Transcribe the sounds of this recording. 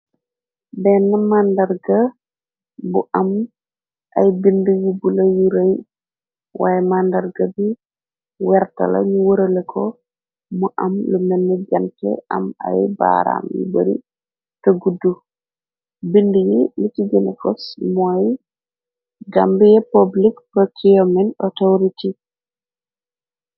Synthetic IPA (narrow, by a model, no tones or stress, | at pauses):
bɛnːamandaɾɡa | buʔam | ʔajbindujibulajiɾaj | wʔa̰ːjɛmandaɾɡabi | wɛɾta̰lɐ̰ɲuwoɾɐlɛkʰɔ | muʔamlumɛnːɛd͡ʒantɛ̰ʔa̰ma̰jba̰ɾa̰mjḭboɾḭ | taɡudu | bindujilitiɡɛnɛfɔsmɔj | ɡambijɛpablikpɾɔkʰiɔmɛnɔtoɾiti